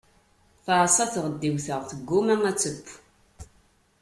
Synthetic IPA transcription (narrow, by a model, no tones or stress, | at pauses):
θasˤɑθʁəd̪ːiwθəʁθəɡːumæŋæt͡sːəpː